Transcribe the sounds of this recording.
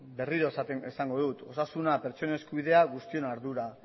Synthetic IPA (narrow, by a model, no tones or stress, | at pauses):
be̞riɾo̞esat̪eesaŋɡo̞ðut̪o̞sasunape̞ɾt͡ʃo̞neskuβiðe̞aɣust̪io̞naɾðuɾa